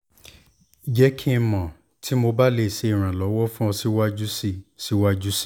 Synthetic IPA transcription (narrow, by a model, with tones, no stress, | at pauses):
i˨d͡ʒɛ˨˦kʰĩ˦˧mã˨ | tʰi˨˦mo˧ba˦le˦˨ʃe˧i˨ɾ̃ã˨lɔ˨˦wɔ˦fũ˦ɔ˧si˦wa˦d͡ʒu˦si˧˨si˨˦wa˦d͡ʒu˦si̥˦˨